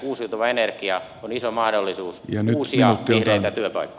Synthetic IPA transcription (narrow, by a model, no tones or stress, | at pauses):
uːsiut̪oʋɑenerkiɑ | onisomɑhdolːisuːsjɑnyːsiɑut̪ːihleit̪æt̪yøpɑ̰ikːo̥